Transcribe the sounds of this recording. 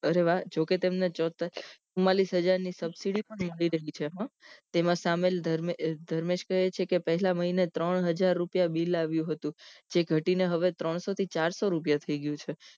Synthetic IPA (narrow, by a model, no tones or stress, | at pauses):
əɾeʋad͡ʒoket̪emnet͡ʃɔt̪sumalisɦəd͡ʒaɾnisəbsiɽipəɳməɭiɾəɦit͡ʃʰeɦãt̪emãsameld̪əɾmed̪ʱəɾmed͡ʒkəɦet͡ʃʰekepəɦɛlaməɦinet̪ɾəɳɦəd͡ʒaɾːupjabilaʋjũɦət̪ũd͡ʒeɡʱəʈineɦəʋet̪ɾəɳ̃sot̪ʰit͡ʃaɾsoɾupjat̪ʰəiɡjũt͡ʃʰe